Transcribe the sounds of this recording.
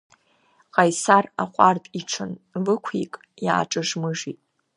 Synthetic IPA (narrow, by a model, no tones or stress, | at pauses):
qʼajsara̰χʷʼartʼiʈ͡ʂʷʰɨnvɨkʷʰikʼ | ja̰ːʈ͡ʂʼɨʐmɨʐitʼ